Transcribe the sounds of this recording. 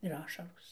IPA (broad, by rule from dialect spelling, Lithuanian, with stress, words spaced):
ɪr ˈɑːʃɐroːs